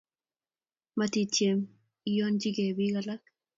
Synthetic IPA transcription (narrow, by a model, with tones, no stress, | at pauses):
mati˨t͡ʃje˨m | i˦jo˦nd͡ʒi˦ɡe˨bi˦ɡala˦k̚